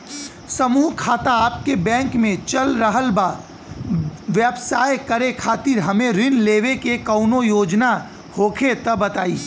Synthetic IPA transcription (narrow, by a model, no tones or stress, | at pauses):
sɐmuːɦkʰaːt̪aaːp̚kebɛ̃ːŋkmẽt͡ʃɐlɾəɦəlbaː | ʋjəbsaːjkɐɾekʰaːt̪ɪɾɦɐmẽɾɪnleːʋekekɐːʊnojoːd͡ʒna | hoːkʰet̪ɐbɐt̪aːiː